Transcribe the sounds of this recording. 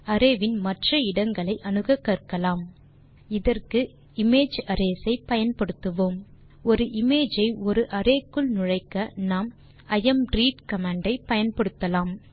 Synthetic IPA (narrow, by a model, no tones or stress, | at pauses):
ɐɾeːʋɪnmɐʈrɐɪɽɐŋɡɐɭɐɪʔɐnɯɣɐkːɐrkːɐlaːm | ɪðɐrkɯ | ɪmeːd͡ʒɐɾeːsɐɪpɐjɐnpɐɽɯt̪ːɯʋoːm | ɔɾɯʔɪmeːd͡ʒɐɪɔɾɯʔɐɾeːkːɯɭnʊɻɐɪkːɐnaːm | ɐjɛmɖɾiːʈkɐmaːɳɖɐɪpɐjɐnpɐɽɯt̪ːɐlaːm